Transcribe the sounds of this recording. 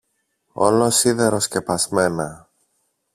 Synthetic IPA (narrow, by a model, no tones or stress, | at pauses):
o̞̰losiðeɾo̞sce̞pɐzme̞nɐ